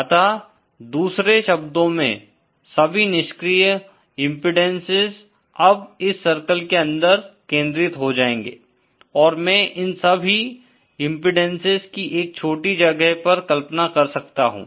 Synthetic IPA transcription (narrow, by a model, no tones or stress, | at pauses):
ɐt̪a | d̪uːsɾeʃɐbd̪õmḛ̃ | sɐbʱinɪʃkɾiːj | ɪ̃mpɪɖɛ̃nsɪz | ɐbɪsːɐɾkəlkeɐ̃nd̪əɾkẽːnd̪ɾɪt̪ɦod͡ʒaːẽːŋɡḛː | ɔːɾmɛ̃ʔɪnsɐbʱi | ɪ̃mpɪɖə̃nsɪzkiʔeːk̚t͡ʃʰoːʈid͡ʒɐɡəɦpɐɾkɐlpnakɐɾsɐk̚t̪aɦṵ̃ː